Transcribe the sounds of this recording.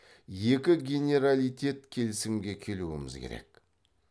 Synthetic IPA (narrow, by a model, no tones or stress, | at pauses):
je̞kʲɪɡʲe̞nʲe̞ɾalijt̪ʲe̞t̪kʲʰe̞lɪsɪmɡʲe̞kʲʰe̞luwɪ̰mɪ̰zkʲʰḛɾḛkʲ